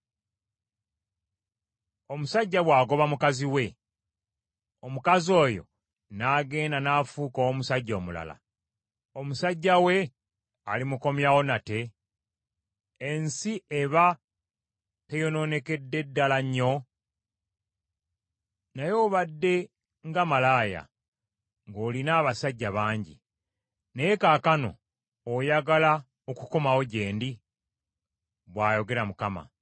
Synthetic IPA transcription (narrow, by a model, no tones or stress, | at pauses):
omusaɟːaβwaːɡo̞βamukaziwe̞ | omukazo̞ːjo̞̰ | naːɡe̞ːndanaːfuːkowomusaɟːo̞ːmula̰la̰ | omusaɟːawe̞ | a̰limuko̞mjawo̞nate̞ | nsieβa | tejo̞no̞ːne̞ke̞dːe̞dːalaɲːo̞ | najo̞ːβadːe̞ | ŋɡamalaːja̰ | ŋɡo̞ːlinaːβasaɟːaβaːɲɟḭ | nejekaːkano̞̰ː | jaɡala | oku̥ko̞mawo̞ɟe̞ːndi | βwaːjo̞ɡe̞ɾamukama̰